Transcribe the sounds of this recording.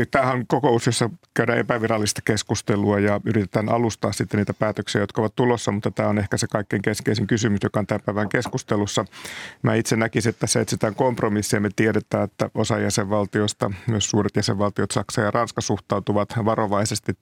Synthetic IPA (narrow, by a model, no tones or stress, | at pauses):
t̪æːhæŋkokousjosːɑkæyɾæːʔepæʋirɑlːist̪ɑ̥keskust̪eluɑjɑyrit̪et̪æːnʔɑ̰lust̪ɑːsit̪ːenniːt̪æpæːt̪øksiæjot̪kɑoʋɑt̪t̪ulosːɑmut̪ːɑt̪æːonehkæsekɑikːeŋkeskeisiŋkysymysjokɑont̪æmpæiʋæŋkeskust̪elusːɑmæ̰ːit̪senækisiet̪ːt̪ːæsːæet̪sit̪æːŋkompromisːiɑmet̪ieɾet̪æːet̪ːæ̰osɑjæseʋʋɑlt̪ioist̪ɑ̰møssuːɾet̪jæseʋʋɑlt̪iot̪sɑksɑːjɑrɑnskɑsuht̪ɑut̪uʋɑt̪ʋɑroʋɑisest̪i